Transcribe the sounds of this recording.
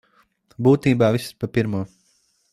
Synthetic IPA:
buːt̪iːbaːʋisspapiɾmuɔː

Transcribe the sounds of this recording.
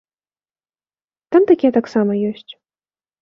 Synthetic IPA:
t̪amt̪akʲet̪aksaməjosʲtʲ

